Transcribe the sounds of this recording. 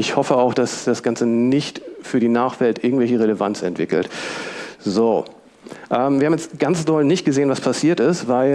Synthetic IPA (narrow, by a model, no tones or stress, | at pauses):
ɪçhɔfəaʊxd̥asd̥asɡ̥ant͡sənɪçtfyːɐɾiːnaːχv̥ɛltʔɪɐɡŋ̩tvɛlçəʁ̞eləva̰nt͡sɛ̰ntv̥ɪkl̩t | zoː | ʔɛːmviːɐhamjɛt͡stɡ̥ansd̥ɔlnɪçt̚ɡ̥əzeːənvaspʰasiːɐtɪstvaɪ